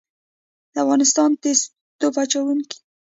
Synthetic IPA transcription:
d̪̥əafɣɑnɪst̪ɑnt̪es | t̪opat͡ʃawuŋki̥

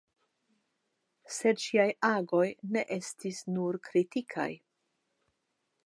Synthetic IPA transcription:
se̞t͡ʃiajaɡo̞jne̞ʔe̞stisnuɾkɾitikʰa̰j

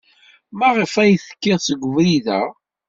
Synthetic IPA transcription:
mæʁəfæjθə̥kːæðsəɡʷəvɾiðæ

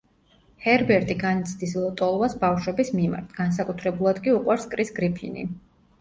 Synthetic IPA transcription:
hɛɾbɛɾt̪ʼiɡanit̪sʰd̪islˠɔt̪ʼɔlˠvasbafʃwɛbismima̰ɾt̪ʰɡ̥ans̬akʼut̪ʰɾɛbulˠad̪kʼiuqʼwaɾskʼɾisɡɾipʰḭnḭ

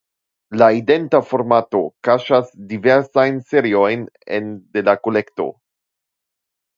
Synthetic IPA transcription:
laide̞ntafo̞ɾmato̞kaʃasdive̞ɾsajnse̞ɾio̞jne̞̰nde̞lako̞le̞kto̞̰

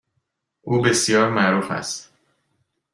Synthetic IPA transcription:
ʔuːbe̞sjɒːɾmæʔɾuːfæ̰st̪

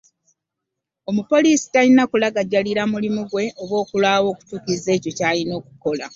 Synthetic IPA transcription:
o̞mupo̞liːsi̥talinakulaɡaɟːaliɾamulimuɡwe̞ʔoβwo̞ːkulwaːwo̞ːku̥tuːkize̞ːco̞caːlino̞ːku̥ko̞la

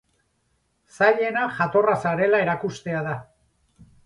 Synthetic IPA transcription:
saʎe̞naʝat̪o̞rasaɾe̞lae̞ɾakust̪e̞aða

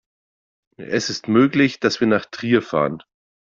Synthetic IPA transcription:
ʔɛsɪstmøːklɪçd̥asv̥iːɐnaːχtʁ̥iːɐfa̰ːʁən

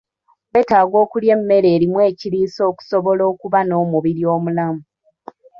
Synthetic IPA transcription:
βetaːɡo̞ːkulje̞mːe̞ɾe̞ːɾimwe̞ːciɾiːso̞ːku̥soβo̞lo̞ːkuβano̞ːmuβiɾijo̞ːmulamu

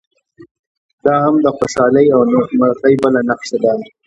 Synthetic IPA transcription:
d̪ɑhamd̪əxoʃɑləjawmaɾqəjbəlanaqʃad̪a

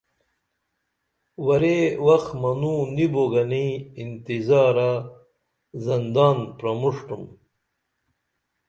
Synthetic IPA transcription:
wɐɾewɐxmɐnuniboɡɐniːnt̪izaːɾa | zɐnd̪aːnpɾɐmuʂʈum

